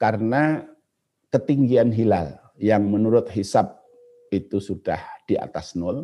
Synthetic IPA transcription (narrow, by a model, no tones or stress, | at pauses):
kaɾəna | kət̪iŋɡianɦilal | jaŋmənuɾʊt̪̚ɦisap̚ | it̪usud̥a̰hd̥ia̰t̪asnʊl